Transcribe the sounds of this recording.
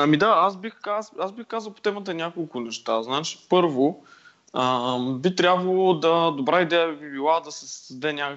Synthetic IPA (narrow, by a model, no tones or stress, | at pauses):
ɐmid̪aasbixkaazbixkazəlˠpo̥t̪ɛmət̪ɐnʲjakolˠkʊnɛʃt̪aznat͡ʃi̥pɤɾvo | əbit̪ɾʲabvɐlˠod̪ɐd̪obɾaid̪ɛjəbibilˠad̪ɐsɛsd̪ɐd̪ɛnʲakək